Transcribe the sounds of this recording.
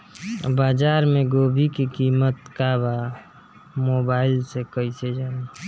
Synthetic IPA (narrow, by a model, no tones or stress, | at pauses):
baːd͡ʒaːɾmẽɡoːbʱikikiːmət̪kaba | mobaːɪlsekəised͡ʒaːna